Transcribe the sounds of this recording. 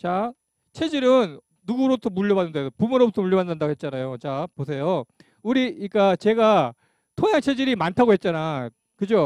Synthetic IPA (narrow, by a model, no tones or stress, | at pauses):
t͡ɕa | t͡ɕʰe̞d͡ʑiɾɯnː | uɡuɾotʰomuʎːʌbanːɯndedopumɯɾobutʰʌmuʎːʌbanːandaɡoɦet͡ɕ͈anajot͡ɕaposʰe̞jo | uɾiik͈at͡ɕe̞ɡa | tʰoɲjaŋt͡ɕʰe̞d͡ʑiɾimantʰaɡoɦe̞t̚t͡ɕ͈ana | kɯd͡ʑo